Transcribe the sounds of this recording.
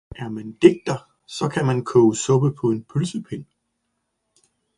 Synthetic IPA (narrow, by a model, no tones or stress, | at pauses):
ʔæɐmænd̥e̝ɡ̥̚d̥ɐ | sɒ̽kʰæmænkʰɔːʊsɔ̽b̥əpʰɒ̽e̝npʰylsəpʰe̝n